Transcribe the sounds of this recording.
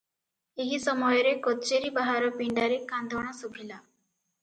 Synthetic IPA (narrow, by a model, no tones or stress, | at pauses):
eɦisɔmɔjɔɾekɔtt͡ʃeɾibaɦaɾɔpiɳɖaɾekand̪ʱɔɽ̃asubʱila